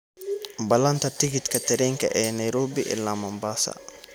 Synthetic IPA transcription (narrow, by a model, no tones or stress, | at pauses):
balantatiɡitkatɛɾiŋkaʔɛnajɾoːbiʔɛ̰lːamambasa̰